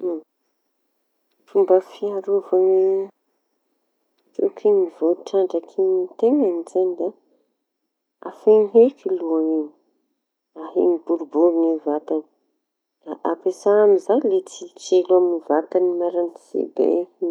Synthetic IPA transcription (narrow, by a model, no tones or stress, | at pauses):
fumbəfiaɾovaŋi | tukʰiŋivoʈ͡ʂaɳɖ͡ʐakʰinit̪eŋanizanid̪a | afeŋɦekiluaŋini̥ | aɦḭŋibuɾubuɾiŋivat̪ani̥ | aʔapesaamizajlet͡sit͡selaminivat̪animaɾanz̥ḛbḛ